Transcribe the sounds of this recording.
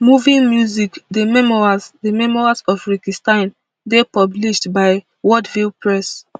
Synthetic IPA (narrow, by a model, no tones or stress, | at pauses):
muvĩnmjuzikdəmɛmɔazdəmɛmɔɹazɔfɹikistãn | depɔbliʃtbaɪ | wɔdvilpɹɛs